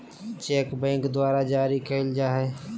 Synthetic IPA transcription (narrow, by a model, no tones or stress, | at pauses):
t͡ʃeːkbẽːŋkd̪ʊaːɾad͡ʒaːɾikʰeːld͡ʒaːɦeː